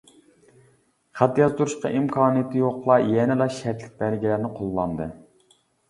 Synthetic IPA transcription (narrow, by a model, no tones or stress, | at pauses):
χæt̪jɑzt̪ʰuɾuʃqɑ̰ʔimkʰɑːnɨjɪt̪ʰɨjoqlˠɑjɛnɪlɑʃɛɾt̪lɪk̚ʲbæɾɡʲilæɾnɪqʰolˠːɑnd̪ɨ